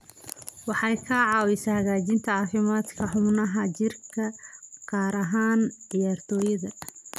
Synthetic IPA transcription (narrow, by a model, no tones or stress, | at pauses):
wɑħɑjkʰɐʕɑːwɪsɐhɐɣaːt͡ʃɪnt̪ʰɐʕɑːfɪmaːd̪kʰɐħʊmnɐɦɐt͡ʃɪrkʰɐqɑːɾɐɦaːnʕɪjaːrt̪ʰɔːjɐðɐ